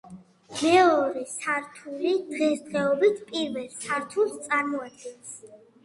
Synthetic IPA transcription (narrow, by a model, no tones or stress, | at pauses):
lɛɔɾisaɾt̪ʰuɾid̪̥ʁɛsd̪ʁɛɔbit̪ʰpʼiɾvɛlsaɾt̪ʰulst̪sʼaɾmɔad̪̚ɡɛns